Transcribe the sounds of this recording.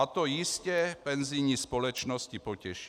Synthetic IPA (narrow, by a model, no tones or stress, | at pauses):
at̪ɔjiscɛpɛnzijɲispɔlɛt͡ʃnɔscipɔcɛʃ